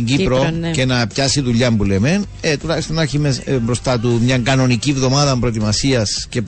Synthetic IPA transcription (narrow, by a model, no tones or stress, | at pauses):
ɲɟipɾoce̞nɐpçɐsiðuʎːɐmbulemen | et̪ulɐçist̪o̞nɐçimesbɾo̞st̪ɐt̪umɲɐŋɡɐno̞nicivðo̞mɐðɐmpɾoet̪imɐsiɐsce̞p